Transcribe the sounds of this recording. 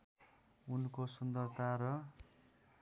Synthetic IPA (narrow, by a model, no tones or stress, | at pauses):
unkosund̪ʌrt̪aɾʌ